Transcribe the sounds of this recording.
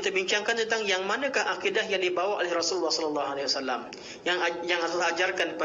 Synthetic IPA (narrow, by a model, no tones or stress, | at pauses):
t̪əbiɲt͡ʃaŋkant̪ənt̪aŋjaŋmanə̃kahʔakidahjaŋdibawaʔolɛhrɔsullːɑhsɔləlːɑɦalawasalːam | jaŋjaŋadalaad͡ʒarkanp